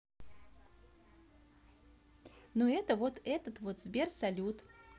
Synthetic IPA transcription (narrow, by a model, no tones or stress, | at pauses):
noɛt̪əvot̪ɛt̪ət̪vot̪zbʲersɐlʲut̪